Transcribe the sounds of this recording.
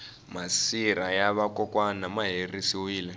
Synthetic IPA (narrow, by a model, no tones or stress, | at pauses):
masiɾajaβakɔkwanamaɦerisiwiːlɛ